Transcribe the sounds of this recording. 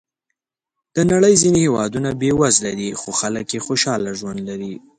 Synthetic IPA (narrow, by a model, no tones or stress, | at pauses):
d̪̥ənaɽəjzinehewɑ̰d̪unabewazlad̪ixoxaləkjexoʃɑlaʒwand̪laɾi